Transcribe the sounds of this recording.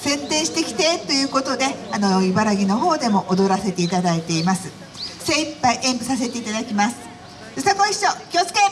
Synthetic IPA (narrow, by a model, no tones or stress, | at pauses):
sẽ̞nt̪ẽ̞ɰ̃ɕi̥t̪e̞kʲi̥t̪e̞t̪o̞jɯ̟ːko̞t̪o̞d̪e̞ano̞ibaɾaɡʲino̞ɦo̞ːd̪e̞mo̞ʔod̪o̞ɾase̞t̪eit̪ad̪ait̪e̞imasɨ̥ | sẽipːaiʔẽmbɯ̟sase̞t̪e̞it̪ad̪akʲimasɨ̥ | sɨt̪amoiɕːokʲiot͡sɨ̥ke